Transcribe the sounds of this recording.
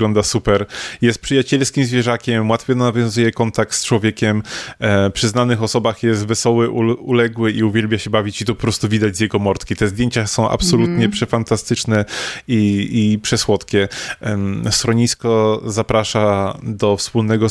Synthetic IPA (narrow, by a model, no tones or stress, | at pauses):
ɡlɔnd̪asupɛɾjɛst̪̚pʂɘjat͡ɕɛlskʲimzvʲjɛʐakʲɛmwat̪fʲjɛnnavʲjɔ̃zujɛkɔnt̪ak̚t̪st͡ʂwɔvʲjekʲɛm | pʂɘznanɘxɔsɔbaxjɛs̬t̪vɛsɔwɘʔuulɛɡwɘʔiuvʲjɛlbʲjaɕɛbavʲit͡ɕit̪ɔpɔpɾɔst̪uvʲid̪ad͡ʑzjɛɡɔmɔɾt̪kʲit̪ɛzd̪ʲjeɲt͡ɕasɔ̃w̃ʔa̰psɔlut̪ɲɛpʂɛfant̪ast̪ɘt͡ʂnɛiipʂɛswɔt̪kʲɛ | sɾɔɲiskɔzapɾaʂad̪ɔfspulnɛɡɔ